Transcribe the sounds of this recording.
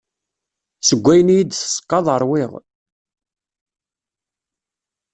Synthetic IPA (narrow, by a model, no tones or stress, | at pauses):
səɡʷːæjənjid̪sə̥sˤə̥kːɑðˤəɾˤwɪʁ